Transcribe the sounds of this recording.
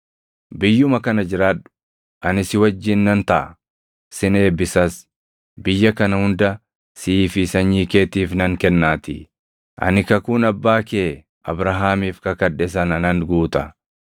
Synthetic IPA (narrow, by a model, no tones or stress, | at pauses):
bɪjːʊmɐkɐnɐd͡ʒɪɾaːᶑʊ̥ | ʔɐnɪsɪwɐd͡ʒːɪnːɐnt̪ɐʔɐ | sɪne̞ːbɪsɐs | bɪjːɐkɐnɐhʊnd̪ɐ | sɪːfɪsɐɲːiːkeːt̪iːfnɐŋkɛnːaːt̪ɪ | ʔɐ̰nɪkɐkuːnɐbːaːkeː | ʔɐ̰bɾɐɦaːmiːfkɐkɐᶑɛs̬ɐnɐnɐnɡuːt̪ɐ